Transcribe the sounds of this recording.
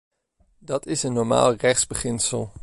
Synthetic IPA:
dɑtʰɪsənːɔɹma̰ːlˠrɛχz̥bəχɪnsəlˠ

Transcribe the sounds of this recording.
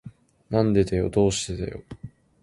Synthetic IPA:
nãnd̪e̞d̪ejo̞̰d̪o̞ːɕi̥t̪ed̪ḛjo̰

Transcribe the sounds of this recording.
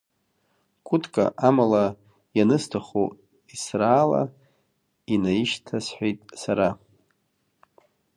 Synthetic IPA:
kʷʰʼʊtʰʼkʼa̰ʔamala | janɨstʰaχo | israːla̰ | inaiʃtʰasħʷᶣejtʼsaɾa

